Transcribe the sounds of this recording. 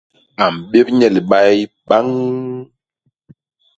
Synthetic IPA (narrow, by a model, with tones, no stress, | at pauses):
a˨m˨ɓe˦p̚ɲɛ˨li˨ɓa˦j | ɓa˦ŋ